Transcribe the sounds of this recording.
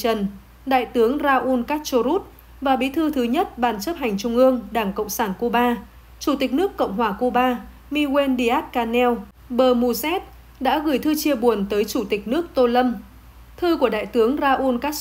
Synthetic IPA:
ə˨˩n | ɗa̰ː˧˨jt̪ɨ˨˦əŋzaː˧ʔu˧nkaː˦˥k̚t͡ɕo˧ɾu˦˥t̚ | vaː˨˩ɓi˨˦t̪ʰɨ˧t̪ʰɨ˨˦ɲə˦˥t̚ɓaː˨˩nt͡ɕə˦˥p̚ɦa˨˩jŋ̟t͡ɕʊ˧ŋ͡mʔɨ˧əŋɗaː˧˩ŋkə̰˧˨wŋ͡msaː˧˩nku˧ɓaː˧ | t͡ɕu˧˩t̪i˨˩k̟̚nɨ˦˥əkːə̰˧˨wŋ͡mɦwaː˧˩ku˧ɓaː˧ | mi˧we˧nɗi˧ʔaː˦˥t̚kaː˧nɛ˧w | ɓəː˨˩mu˧zɛ˦˥t̚ | ɗa̰ː˧˥ɣɨ˧˩jt̪ʰɨ˧t͡ɕi˧əɓu˨˩ənt̪əː˨˦jt͡ɕu˧˩t̪ï˨˩k̟̚nɨ˦˥ək̚t̪o˧lə˧m | t̪ʰɨ˧ku˧˩əɗa̰ː˧˨jt̪ɨ˨˦əŋzaː˧ʔu˧nkaː˦˥k̚

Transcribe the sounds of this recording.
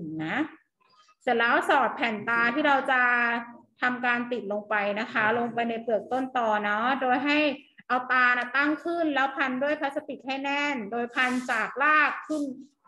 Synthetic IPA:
na˦˥ʔ | t͡ɕa˨˩lɛː˦˥wsɔː˨˩t̪̚pʰɛː˨˩nt̪aː˧t̪ʰiː˥˩ɾa˧wt͡ɕa˨˩t̪ʰa˧mkaː˧nt̪i˨˩t̪̚lo˧ŋpa˧jna˦˥kʰa˦˥lo˧ŋpa˧jna˧jpɯ˨˩ək̚t̪o˥˩nt̪ɔː˧˩nɔ˦˥doː˧jɦa˥˩j | ʔa˧wt̪aː˧na˦˩t̪a˥˩ŋkʰɯ˥˩nlɛː˦˥wpʰa˧ndu˥˩əjpʰa˦˥t̪̚sa˧t̪i˨˩t̪̚ha˥˩jnɛ˥˩ndoː˧jpʰa˧nt͡ɕaː˨˩k̚laː˥˩kʰːɯ˥˩n

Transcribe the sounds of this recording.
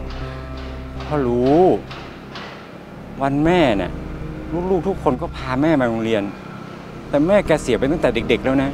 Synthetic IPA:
kʰɔː˧˩ɾuː˦˥ | wa˧nmɛː˥˩na̰˧˩luː˦˥˩k̚luː˥˩k̚t̪ʰu˦˥kʰːo˧nkɔː˥˩pʰaː˧mɛː˥˩maː˧ɾo˧ŋɾi˧ən | t̪ɛː˨˩mɛː˥˩kɛː˧si˨˩˦pa˧jt̪a˥˩ŋt̪ɛː˨˩de˨˩k̚de˨˩k̚lɛː˦˥˩wna˦˥

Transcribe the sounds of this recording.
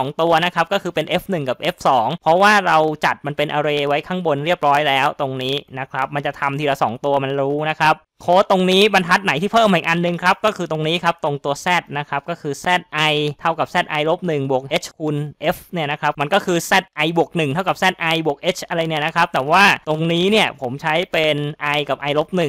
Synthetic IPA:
ŋt̪u˧ɐna˦˥kʰa˦˥p̚kɔː˥˩kʰɯː˧pe˧nʔe˦˥fnɯ˨˩ŋka˨˩p̚ʔe˦˥p̚sɔː˩˦ŋpʰɾɔ˦˥waː˥˩ɾa˧wt͡ɕa˨˩t̪̚ma˧npe˧nʔaː˧ɾeː˧wa˦˥jkʰaː˥˩ŋbo˧nɾi˥˩əp̚ɾɔː˦˥jlɛː˦˥wt̪o˧ŋniː˦˥na˦˥kʰɾa˦˥p̚ma˧nt͡ɕa˨˩t̪ʰa˧mt̪iː˥˩ɾa˧wsɔː˩˦ŋt̪u˧ɐma˧nɾuː˦˥na˦˥kʰa˦˥p̚kʰoː˦˥˩t̪o˧ŋniː˦˥ba˧nt̪ʰa˦˥t̪̚na˨˩˦jt̪ʰiː˥˩pʰɤː˥˩m˨˩kʔa˧nːɯ˨˧ŋkʰɾa˦˥p̚kɔː˥˩kʰɯː˧t̪o˧ŋniː˦˥kʰa˦˥p̚t̪o˧ŋt̪u˧ɐsɛː˥˩t̪̚na˦˥kʰɾa˦˥p̚kɔː˥˩kʰɯː˧sɛː˥˩t̪̚ʔa˧jt̪ʰa˥˩wka˨˩p̚sɛː˥˩t̪̚ʔa˧jlo˦˥p̚nɯ˨˩ŋbu˨˩k̚ʔeː˦˥t͡ɕʰkʰu˧nʔe˦˥fni˥˩ɐna˦˥kʰɾa˦˥p̚ma˧nkɔː˥˩kʰɯː˧sɛː˥˩t̪̚ʔa˧jbu˨˩ək̚nɯ˨˩ŋt̪ʰa˥˩ka˨˩p̚sɛː˥˩t̪̚ʔa˧jbu˨˩k̚ʔeː˦˥t͡ɕʰʔa˧ɾa˧jni˥˩ɐna˦˥kʰɾa˦˥p̚t̪ɛː˨˩waː˥˩t̪o˧ŋniː˦˥ni˥˩ɐpʰo˩˦mt͡ɕʰa˦˥jpe˧nʔa˧jka˨˩p̚ʔa˧jlo˦˥p̚nɯ˨˩ŋ

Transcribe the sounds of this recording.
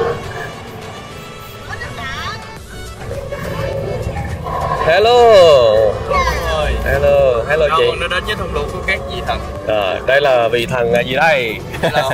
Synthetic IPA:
hɛ˧lo˧ | hɛ˧lo˧ɦɛ˧lo˧t͡ɕḭ˧˨nː˧˦ɗə˨˦ɨ˧˦t̪ʰə˧˩ŋ͡mlṵ˨˧˥ku˧˩əkaː˦˥k̚zi˨˩t̪ʰə˨˩ŋ | ʔaː˨˩ɗə˧jlaː˨˩vḭ˨˩t̪ʰə˨˩ŋŋaː˨˩jzi˨˩ɗə˧j

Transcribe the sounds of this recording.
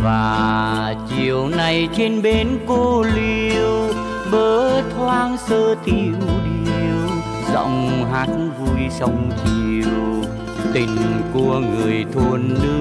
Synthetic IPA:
vaː˨˩t͡ɕi˨˩əwna˨˩jt͡ɕe˧nɓe˨˦nko˧li˧əw | ɓəː˨˦t̪ʰwaː˧nsəː˧t̪i˧˩wɗi˧w | zə̰˧˨wŋ͡mɦaː˨˦˥t̚vu˧jsə˧˦wŋ͡mt͡ɕi˧w | t̪ï˨˩ŋ̟ku˧əŋɨ˨˩əjt̪ʰu˧ənːɨ˧

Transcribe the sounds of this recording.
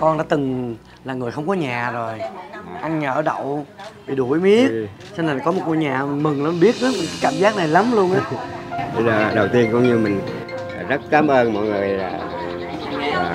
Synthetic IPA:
kɔ˧nɗa̰ː˧˥t̪ɨ˨˩ŋ | laː˨˩ŋɨ˨˩əjxə˧wŋ͡mkɔ˨˦ɲaː˨˩zo˨˩jʔa˧ŋɲəː˨˧˩ʔɗə̰˧˨wvi˨˩ɗu˧˩ə˨jmi˨˦i˦ə˥ | t͡ɕna˨˩˨kɔ˨˦mo˨˩t̚ŋo˨˧˩ɲaː˨˩˨m˨˩mɨ˨˩ŋla˨˦ɓi˦˥ət̚naː˨˦mï˨˩ŋkaː˨˦kaː˧˩˨mzaː˦˥k̚na˨˩jla˨˦mlu˧ənʔaː˨˦i˨˧əː˨˩ɗə˨˩wt̪i˧ənkʊ̰˧˥ŋ͡mɲɨ˧mï˨˩ŋ̟˨˩ | zə˦˥t̚kaː˨˦mʔəː˧nmɔ̰˧˨jŋɨ˨˩əjlaː˨˩˨

